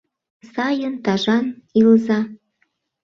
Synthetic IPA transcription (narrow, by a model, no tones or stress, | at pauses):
sɑjənt̪ɑʒɑnilzɑ